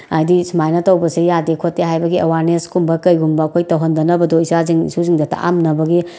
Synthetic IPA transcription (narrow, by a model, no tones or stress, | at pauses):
ajdisimajnɐtɐwbɐsejadekʰotːeɦajbɐɡiʔɐwaɾneskumbɐkɐjɡumbɐːkʰojtɐwɦɐndɐnɐbɐdoisaziŋsuziŋdɐtʰa̰ʔa̰mnɐbɐɡi